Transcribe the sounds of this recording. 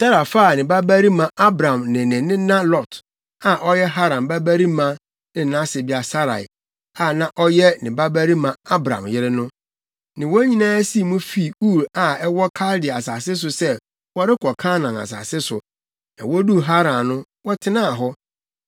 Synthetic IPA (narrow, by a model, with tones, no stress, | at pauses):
tʰa˦ɾa˨fa˦˨nɪ̃˨ba˦bæ˦ɾi˦mã˨ʔa˦bɾã˨mnɪ̃˨nɪ̃˨nɪ̃˦nã˦lɔ˨t | a˨ʔɔ˦jɛ˦ɦa˦ɾã˨mba˦bæ˦ɾi˦mã˨ | nɪ̃˨˦nã˦sɪ˨bi˦a˨sa˦ɾa̰˨ɪ̰˨ | a˨nã˨ʔɔ˦jɛ˦nɪ̃˨ba˦bæ˦ɾi˦mã˨a˦bɾã̰˨mjɪ˦ɾɪ˦nʊ̃˦ | nɪ̃˨wɔ˦ɲĩ˦nãː˦si˦˨mũ˦fi˦˨u˦˨ɾa˨ɛ˦wɔ˦kʰa˦ldɪ˨a˨saː˨sɪ˦s̬ʊ˨sɛ˦ | wɔ˦ɾɪ˦kʰɔ˨kʰã˦nã˨na̰˨s̬a̰ː˨sɪ˦sʊ̰˨ | nã̰˨wɔ˦du˦ɦa˦ɾã˨nʊ̃˦ | wɔ˦tʰɪ˦nãː˦a˨ɦɔ˦